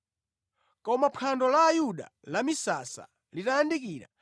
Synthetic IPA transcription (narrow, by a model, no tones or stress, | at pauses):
kɔmapʰandɔlaːjuɗa̰lamisasa̰ | litajandikiːɾa̰